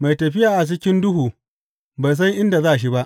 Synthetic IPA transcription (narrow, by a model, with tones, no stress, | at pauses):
ma˨jtɐ˨ɸɪ˦jaː˨ʔa˨t͡ʃɪ˦kʲɪ˦ndʊ˦huː˨ | ba˨js̬a˦jʔɪ˦nda˨zaː˦ʔa˨ʃ̬i˦ba˦ʔ